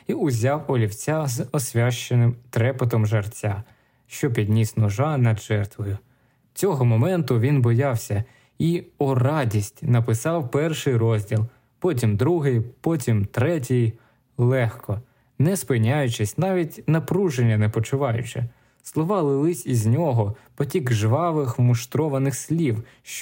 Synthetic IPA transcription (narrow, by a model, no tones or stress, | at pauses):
iʊzʲɑwɔlʲiwt͡sʲazɔsʲʋʲaʃt͡ʃenɪmt̪ɾɛpet̪ɔmʒɐrt͡sʲa | ʃt͡ʃɔp̬ʲid̪ʲnʲisnʊʒɑnɐd̪ʒɛrt̪ʋɔjʊ | t͡sʲɔɦɔmɔmɛnt̪ʊʋʲinbɔjɑwsʲɐ | iɔrɑdʲisʲtʲnɐpɪsɑwpɛrʃɪjɾɔzʲdʲilˠ | pɔt̬ʲimd̪ɾuɦɪjpɔtʲimt̪ɾɛt̬ʲɪj | lˠɛxkʰɔ | nɛspɪnʲajʊt͡ʃɪsʲnɑʋʲitʲnɐpɾuʒenʲːɐnɛpɔt͡ʃʊʋɑjʊt͡ʃɛ | slˠɔʋɑlˠɪlˠɪsʲizʲnʲɔɦɔpɔtʲiɡʒʋɑʋɪxmʊʃt̪ɾɔʋɐnɪxsʲlʲiw | ʃ